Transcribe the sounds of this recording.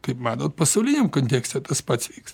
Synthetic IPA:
kɐɪpmɑːt̪oːt̪̚pɐsɐʊlʲɪnʲemkonʲt̪ʲeːksʲtʲɛt̪ɐspɐt̪sʋʲiːks

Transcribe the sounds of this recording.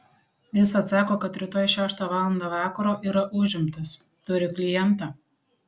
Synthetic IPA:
jɪsɐt̪sɑːkoːkɐt̪ʲːɾʲɪt̪oːjʃʲæːʃt̪ɑːʋɑːlˠɐnd̪ɑːʋɑːkɐɾoːʔiːɾɐʔʊːʒʲɪmʲt̪ɐs | t̪ʊɾʲɪklʲɪjɛnˑt̪ɑː

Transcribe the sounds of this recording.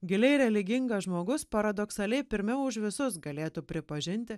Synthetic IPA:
ɡʲɪlʲɛɪɾʲɛlʲɪɡʲɪŋɡɐʒmoːɡʊspɐɾɐd̪oksɐlʲɛɪpʲɪɾʲmʲɛʊʃʋʲɪsʊs̬ɡɐlʲeːt̪uːpʲɾʲɪpɐʒʲɪnʲt̪ʲɪ

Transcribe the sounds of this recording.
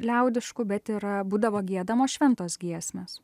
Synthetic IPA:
lʲɛʊd̪ʲɪʃkʊbʲɛt̪ɪɾbuːd̪ɐʋoːɡʲiɛd̪ɐmoːʃʲʋʲɛnt̪oːsɡʲiɛsʲmʲeːs

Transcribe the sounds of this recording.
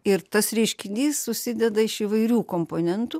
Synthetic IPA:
ɪɾt̪ɐsɾʲiʃʲkʲɪnʲd̪ʲiːssʊsʲɪd̪ʲɛd̪ɐɪʃiːʋɐɪɾʲuːkoːmpoːnʲɛnt̪uː

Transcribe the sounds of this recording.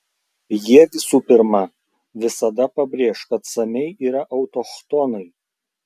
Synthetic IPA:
jiɛʋʲɪsuːpʲɪɾmɐ | ʋʲɪsɐd̪ɐpɐbʲɾʲeːʃkɐt̪sɐnʲɛɪʔiːɾɐʔɐʊt̪ɔxt̪ɔnɐɪ

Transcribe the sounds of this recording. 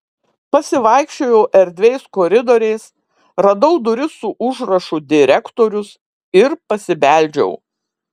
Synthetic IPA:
pɐsʲɪʋɐˑɪkʃʲt͡ʃʲoːjɛʊʔɛɾʲd̪ʲʋʲɛɪskɔːɾʲɪd̪oːɾʲɛɪs | ɾɐd̪ɐʊd̪ʊɾʲɪsʊʔʊʒɾɐʃʊd̪ʲɪɾʲɛkt̪oːɾʲʊs | ɪɾpɐsʲɪbʲæˑlʲˑd͡ʒʲɛ̰ʊ

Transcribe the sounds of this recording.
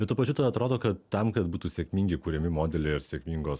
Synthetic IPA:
bʲɛt̪t̪uːpɐt͡ʃʲʊt̪ɐd̪ɐt̪ɾoːd̪oːkɐt̪tɐmkɐt̪buːt̪uːsʲeɛkmʲiːŋʲɡʲɪkuːɾʲɛmʲɪmoːd̪ʲɛlʲɛɪɾsʲɛkmʲiŋɡoːs

